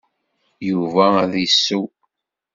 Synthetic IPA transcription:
juvææðjsːu

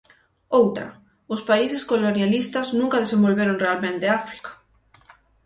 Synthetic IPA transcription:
owt̪ɾɐ̰ | ʊspaisɪskolonjalist̪ɐznũŋkɐð̞esẽmbolβeɾoŋrealmẽnt̪eafɾi̥kḁ

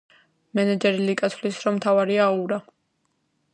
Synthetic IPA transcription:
mɛnɛd͡ʒɛɾilikʼat̪sʰlisɾɔmt̪ʰavaɾiauɾa

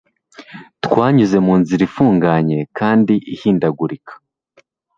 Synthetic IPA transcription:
twaːɲuze̞muːnziɾifuːŋɡaɲe̞kaːndiʔihiːndaɡuɾikʰḁ

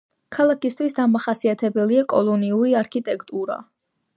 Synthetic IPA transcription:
kʰalˠakist̪ʰwisd̪amaχasiat̪ʰɛbɛliakʼɔlˠɔniuɾiaɾkʰit̪ʼɛkʰt̪ʼuɾa̰

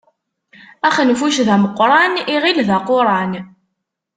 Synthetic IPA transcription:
æχənfuʃðæməqːɾˤɑniʁilðaqʊɾˤɑn

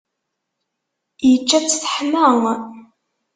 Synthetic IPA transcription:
jət͡ʃːæt͡sːθə̥ħməŋ

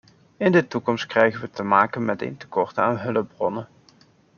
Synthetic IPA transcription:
ɪndətukɔmst̚krɛjχənʋətəmaːkənmɛtḛjntə̥kɔɹtaːnɦɵləbrɔnə

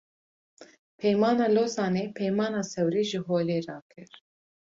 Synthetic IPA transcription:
pʰɛjmɑːnɑːloːzɑːneːpʰɛjmɑːnɑːsɛwɾiːʒɨɦoːleːɾɑːkʰɨɾ

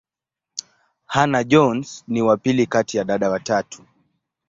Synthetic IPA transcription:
hanaʄɔnsniwapilikatijaɗaɗawatatʰu̥

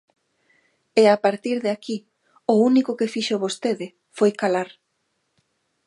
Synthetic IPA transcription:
eapaɾt̪iɾðeaki | ʊunikʊkɪfiʃoβost̪eðɪ | fojkalaɾ

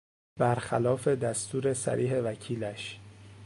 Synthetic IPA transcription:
bæɾxælɒːfe̞d̪æst̪uːɾe̞sæ̰ɾʔiːɦe̞væcʰiːlæʃ

